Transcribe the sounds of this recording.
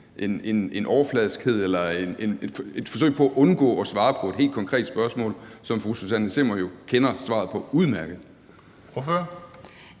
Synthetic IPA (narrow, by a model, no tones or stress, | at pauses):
ʔe̝ne̝ne̝nʔɒʊɐflɛðˠsɡ̥he̝ð̞̰ˠelɐene̝ne̥fe̝d̥fɒsø̰ɪ̰̥pʰɒ̽æʔɔ̽nɡ̥ɔ̰̽ːɒ̽sʋɑ̈ːpʰɒ̽e̝d̥he̝̰ld̥̚kʰɒŋkʰʁɛ̰ːd̥sb̥ɶɐsmɔ̰̽ːlsɒ̽mfʁususænəsemɐjo̝kʰenɐsʋɑ̈ːð̞̩ˠpʰɒ̽uð̞ˠmæɐɡ̥ð̩ˠ | føɐ